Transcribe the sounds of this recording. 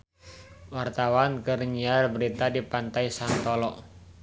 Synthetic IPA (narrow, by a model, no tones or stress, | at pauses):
wart̪awankəɾɲarbəɾit̪adipant̪ajsant̪ɔlɔʔ